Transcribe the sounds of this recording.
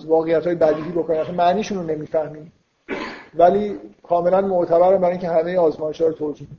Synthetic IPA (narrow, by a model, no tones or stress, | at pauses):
vɒːɣe̞jːæt̪hɒːjebæd̪iːɦiːbokʰoninmæt̪ʰːænmæʔniːʃuːnone̞miːfæhmiː | væliːkʰɒːme̞lænmoʔt̪ʰæbæɾæmbæɾiŋcʰehɦæme̞jeɒːzmɒːjeʃhɒːɾot̪ʰod͡ʒiːn